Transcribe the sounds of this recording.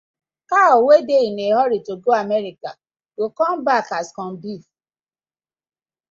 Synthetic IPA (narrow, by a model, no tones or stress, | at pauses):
kaɔwedeineɦɔɾitoɡoamɛɾika | ɡokɔm̩bakaskɔ̃n̩bif